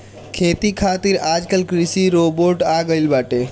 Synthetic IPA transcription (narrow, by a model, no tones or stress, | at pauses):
kʰeːt̪ikʰaːt̪iɾaːd͡ʒkəlkɾɪsiɾoːboːʈaːɡəɪlbaːʈeː